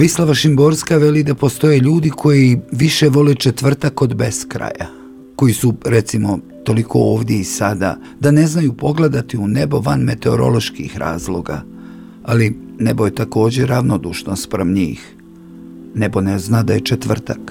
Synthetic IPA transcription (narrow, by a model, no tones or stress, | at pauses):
ʋislˠaʋaʃimbo̞ɾskaʋe̞lid̪apo̞st̪o̞jeʎuːd̪ikʰo̞jiʋiʃeʋo̞let͡ʃe̞t̪ʋr̩t̪ako̞d̪be̞skɾa̰ja̰ | ko̞jisuɾe̞t̪simo̞ | t̪o̞likʰo̞̰oːʋd̪je̞isad̪a̰ | d̪ane̞znajupo̞ɡle̞d̪at̪iune̞bo̞ʋanme̞t̪e̞o̰ɾo̞̰lˠo̞ʃkḭxɾa̰ːzlˠo̞̰ɡa̰ | ali | nebo̞jet̪ako̞ːd͡ʑe̞ɾaʋno̞d̪uːʃno̞st̪̚pɾemɲḭːx | ne̞bo̞neznad̪aje̞t͡ʃet̪ʋr̩t̪ak